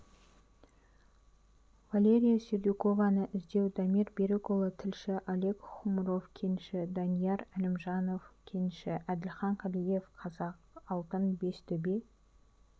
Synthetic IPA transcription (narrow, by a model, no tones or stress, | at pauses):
valʲe̞ɾʲijasyd̪ʲiko̞vɑnəʔɪzd̪e̞wd̪ɑmiɾbʲeɾekolˠət̪ʰɪlʃɪʔalʲe̞kχʊmɾo̞fkʲʰenʃɪd̪ɑnijɑɾælɪmʒɑno̞fkʲʰenʃɪʔæd̪ɪlʲχɑɴqʰɑlije̞fqʰɑzɑq | ɑlˠt̪ənbe̞st̪ʰɵbej